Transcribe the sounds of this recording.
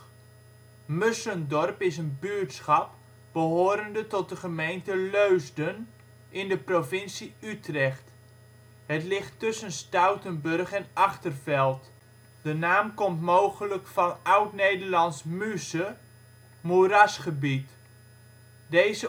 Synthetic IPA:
møsəndɔrpɪsənbytsχɑp | b̥əɦoːɾəndətɔt̚dəχəmejntəløɥzdən | ʔɪndəprofɪnsiytrɛχt | ɦətlɪχtːʏsənstœwtənbɵrχɛnɑχtərvɛlˠt | d̥ənaːmkɔmtmowχələkfɑnœwtnejdərlɑnsmysə | muɾasχəbit | dejzə

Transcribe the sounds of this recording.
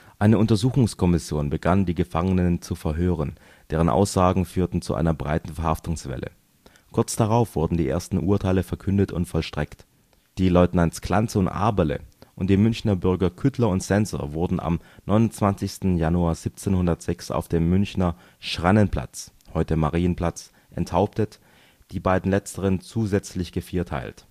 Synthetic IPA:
ʔaɪnəʔʊntɐzuːxʊŋskʰɔmɪsjoːnbəɡandiːɡəfaŋənənt͡sufɛɐɦøːʁ̞ən | d̥eːʁ̞ənʔa̰ʊsz̥aːɡŋ̩fyːɐtn̩t͡sṵʔa̰ɪnɐbʁa̰ɪtn̩fɛɐhaftʊŋsv̥ɛ̰lə̰ | kʰʊɐt͡sd̥aʁaʊfv̥ʊɐdn̩diːʔḛːɐstn̩ʔuːɐtʰaɪləfɛɐkʰʏndətʊ̰ntfɔlʃtʁ̥ɛkt | d̥iːlɔʏtnantskl̥ant͡səʊntʔa̰ɐbələ̰ʔʊnt̚d̥iːmʏnçnɐbʏɐɡɐkʰʏtʰlɐʊntsɛnzo̰vʊɐdn̩ʔa̰mnɔʏnʊnt͡sv̥ant͡sɪçstn̩januaːɐziːp̚t͡seːnhʊndɐtz̥ɛksa̰ʊfd̥eːmːʏnçnɐ | ʃʁ̥anənpʰl̥a̰t͡shɔʏtəmaʁiːənpl̥at͡s | ʔɛ̰nthaʊptət | d̥iːbaɪdn̩lɛt͡stəʁ̞ənt͡suːzɛt͡slɪçɡ̥əfiːɐtʰa̰ɪlt

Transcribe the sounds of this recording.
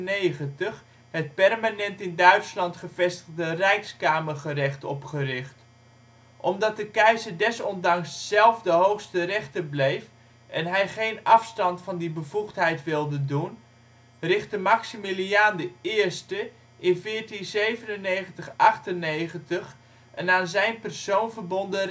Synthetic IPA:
nejχəntəχ | hət̚pɛrmanɛntɪndœɥtslɑntχəvɛstəχdərɛjkskaːməχərɪχtɔpχərɪχt | ʔɔmdɑt̚dəkɛjzəɹdɛsɔndɑŋsːɛlˠfdəɦowχstərɛχtəblejf | ʔɛnɦɛjχejnɑfstɑntfɑndibəvuχtɦɛjtʋɪlˠdədun | rɪχt̚dəmaksimiliaːndəɪːɹstə | ʔɪnvɪːɹtinzejvənənejχəntəχʔɑχtənejχəntəχ | ʔɛnaːnzɛjnpərsownvəɹbɔndə

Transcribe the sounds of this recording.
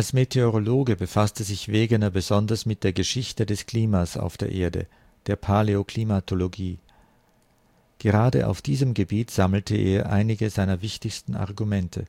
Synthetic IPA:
ʔalsmetʰeoʁoloːɡəbəfastəzɪçv̥eːɡənɐbəzɔndɐsmɪt̚d̥eːɐɡəʃɪçtədɛskl̥iːmasa̰ʊfd̥eːɐʔeːɐdə̰ | d̥eːɐpʰaleoklimatʰoloɡiː | ɡ̥əʁaːdə̰ʔa̰ʊfd̥iːzəmɡəbiːtz̥aml̩tʰəʔḛːɐʔa̰ɪnɪɡəzaɪnɐvɪçtɪçstn̩ʔa̰ɐʁɡumɛntʰə̰

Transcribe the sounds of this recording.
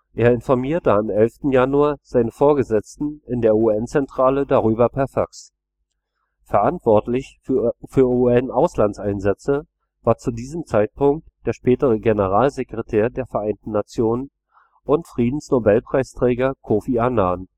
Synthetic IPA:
ʔeːɐɪnfɔɐmiːɐtəamɛlftn̩januaːɐz̥aɪnəfoːɐɡəzɛt͡stn̩ɪndeːɐuːɛnt͡sɛntʁ̥aːlədaʁyːbɐpʰɛɐfaks | fɛɐʔantv̥ɔɐtlɪçffyːɐuɛnʔaʊslant͡sʔaɪnzɛt͡sə | vaːɐt͡sudiːzəmt͡saɪt̚pʊŋk̚td̥eːɐʃpɛːtəʁəɡenəʁaːlzekʁ̥etʰeːɐdeːɐfɛɐʔaɪntn̩ːat͡sjoːnən | ʔʊntfʁ̥iːdn̩snobɛlpʁ̥aɪstʁ̥ɛːɡɐkʰoːfianaːn

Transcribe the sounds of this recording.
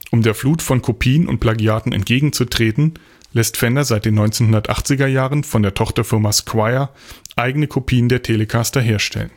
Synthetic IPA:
ʔʊmdeːɐfluːtfɔnkʰopʰiːənʊ̰nt̚pʰl̥aɡiaːtn̩ɛ̰ntɡ̥eːɡŋ̩t͡sutʁ̥eːtn̩ | lɛstfɛndɐzaɪt̚d̥eːnːɔʏnt͡seːnɦʊndɐtʔa̰χt͡sɪɡɐjaːʁənfɔndeːɐtʰɔχtɐfɪɐmaskʰwaɪɐ | ʔaɪɡənəkʰopʰiːəndeːɐtʰeːləkʰastɐɦeːɐʃtʰɛ̰lən

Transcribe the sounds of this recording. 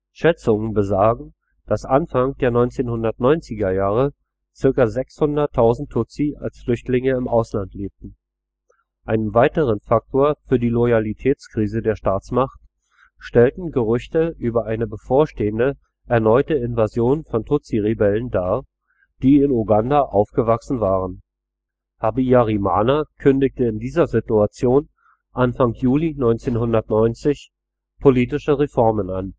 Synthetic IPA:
ʃɛt͡sʊŋənbəzaːɡŋ̩ | d̥asʔanfaŋd̥eːɐnɔʏnt͡seːnhʊndɐtnɔʏnt͡sɪɡɐjaːʁ̞ə | t͡sɪɐkɐzɛkshʊndɐtʰːaʊzn̩tʰːʊt͡sia̰lsflʏçtlɪŋəɪmʔaʊslantleːp̚tn̩ | ʔaɪnənvaɪtəʁ̞ənfak̚tʰoːɐfyːɐdiːlɔjalitʰɛːt͡skʁ̥iːzədeːɐʃtaːt͡smaχt | ʃtɛltn̩ɡəʁʏçtəʔyːbɐʔaɪnəbəfoːɐʃteːəndə | ʔɛɐnɔʏtəɪnvazjoːnfɔntʰʊt͡siʁebɛləndaːɐ | d̥iːɪnuɡandaʔaʊfɡ̥əvaksn̩vaːʁən | habijaʁima̰ːnakʰʏndɪk̚təɪndiːzɐzɪtuat͡sjoːn | ʔanfaŋjuːlinɔʏnt͡seːnɦʊndɐtnɔʏnt͡sɪç | pʰoliːtɪʃəʁefɔɐmənan

